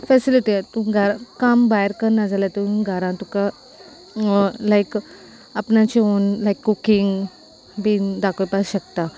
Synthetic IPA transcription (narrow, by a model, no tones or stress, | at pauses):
fɛsiliʈit̪ũɡʱaɾakambajəɾkəɾnad͡zʱalat̪eũnɡʱəɾãt̪uka | lajk | apnãt͡ɕiunlajkːukĩŋɡ | bid̪akʰɭpasɕəkt̪a